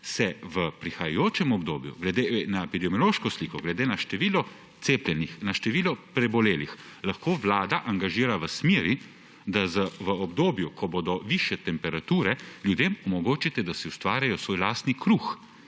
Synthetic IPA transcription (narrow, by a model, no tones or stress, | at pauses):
sɛʋəpɾixajajoːt͡ʃɛmɔbd̪oːbjṵɡlɛd̪enaepid̪ɛmjɔloːʃkɔsliːkɔɡlɛd̪eːnaʃt̪ɛʋiːlɔ | t̪seːplʲjɛnixnaʃt̪ɛʋiːlɔpɾɛbɔleːlixlaxkoːʋlaːd̪aʔaŋɡaʒiːɾaʋəsmeːɾi | d̪azəʋəɔbd̪oːbjukʰɔboːd̪ɔʋiʃjɛt̪ɛmpɛɾat̪uːɾɛljud̪eːmɔmɔɡoːt͡ʃit̪ɛd̪asɛust̪ʋaːɾjajɔsʋoːjlaːst̪nikɾuːx